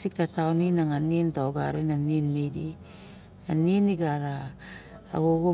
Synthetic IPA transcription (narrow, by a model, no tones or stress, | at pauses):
sik̚tataoninaŋanintaoɡaɾenaninmejdi | aniniɡaɾa̰ː | ɡoɡo